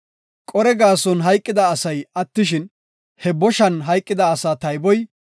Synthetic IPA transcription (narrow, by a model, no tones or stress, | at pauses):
kʼɔɾɛɡaːsɔnɦɐjkʼːɪd̪ɐːsɐjɐt̪ːɪʃɪn | hɛbɔʃɐnɦɐjkʼːɪd̪ɐːsaːt̪ɐjbɔj